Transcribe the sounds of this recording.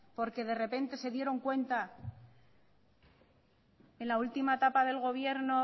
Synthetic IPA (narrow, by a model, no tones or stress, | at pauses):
po̞ɾke̞ð̞e̞re̞pe̞nt̪e̞se̞ðje̞ɾo̞ŋkwe̞nt̪a | e̞nlault̪imaet̪apaðe̞lɣo̞β̞je̞ɾno̞